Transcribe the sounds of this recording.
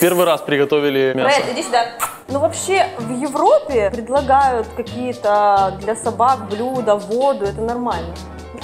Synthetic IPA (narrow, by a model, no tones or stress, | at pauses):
pʲervɨjɾaspɾʲɪɡɐt̪ovʲɪlʲɪmʲaet̪ɾʲesʲd̪a | nuvɐpɕːe̞vjɪvropʲɪpɾʲɪd̪lˠɐɡajʊt̪kɐkʲijət̪əd̪lʲɐsɐbakblʲud̪əvod̪ʊɛt̪ənɐrmalʲnə